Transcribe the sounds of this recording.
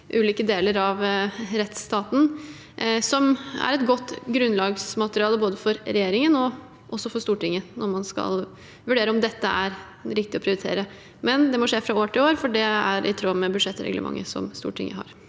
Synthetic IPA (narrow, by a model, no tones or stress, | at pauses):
ʔʉːliːkəd̪eːləɾɑʋɾɛt̪st̪ɑːt̪n̩ | sɔmæ̰ɾɛt̪ɡɔt̪ːɡɾʉnːlɑːɡsmɑt̪əɾɪɑːləboːd̪əfɔɾɾɛjeːɾɪŋənɔ | ʔɔsːɔfɔɾʂt̪uːʈɪŋːənɔɾmɑnskɑ̰l | ʋʉɖeːɾəɔmd̪ɛt̪ːəʔæɾ | ɾɪkt̪ɪɔpʰɾɪʊɾɪt̪ʰḛːɾə | mɛnd̪ɛmɔʂeːfɾɑoːʈʰɪloːɾfɔɖɛæɾʔɪ̰t̪ʰɾoːmɛbʉd̪ʂɛt̪ːɾɛ̰ɡlə̰mɑ̰ŋːə̰sɔ̰mst̪ṵːʈʰɪ̰ŋːə̰ɦɑ̰ɾ